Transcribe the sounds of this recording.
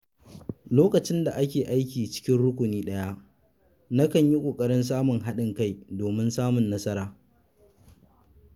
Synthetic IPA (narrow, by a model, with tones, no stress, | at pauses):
loː˦kɐ˨t͡ʃɪ˦nda˨ʔa˦kʲeː˨ʔa˦jkʲiː˨t͡ʃɪ̥˦kʲɪ˦nɽʊ˦kʷʊ˨niː˦ɗɐ˦ja˦ʔ | na˦kɐ˨ɲji˦kʷʼoː˨kʼɐ˦ɽɪ˦ns̬aː˦mʊ˨ŋɦa˦ɗɪ˨ŋka˦jdoː˨mɪ˦nsaː˦mʊ˨nːɐ˦sɐ˦ɾaː˨